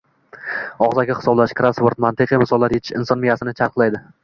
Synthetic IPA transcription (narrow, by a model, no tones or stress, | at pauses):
ɒʁzaɡʲaχɪ̥sɒblaʃkɾasvoɾt̪mant̪ʰɨqʰimɪsɒlˠːaɾjet͡ʃ̪ʰɪ̥ʃɪnsɒnmɪjasɪnɪt͡ʃʰaɾqʰlˠajd̪ɪ